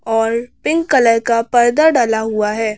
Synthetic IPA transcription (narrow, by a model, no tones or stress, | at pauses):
ɔːɾpɪ̃ŋkkːɐləɾkapɐɾd̪əɾɖaːlaɦuaɦɛː